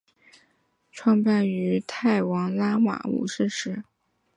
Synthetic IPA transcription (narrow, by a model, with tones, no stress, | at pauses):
ʈ͡ʂʰwɑ˥˧ŋpa˥˩ny˧˥t̪ʰa˥˩ɪwɑ˧˥ŋla˥ma̰˨˩ṵ˨˩ʂɻ̩˥˩ʂɻ̩˧˥